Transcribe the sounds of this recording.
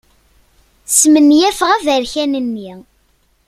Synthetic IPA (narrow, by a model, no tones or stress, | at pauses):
smənːjæfʁævəɾçænənːi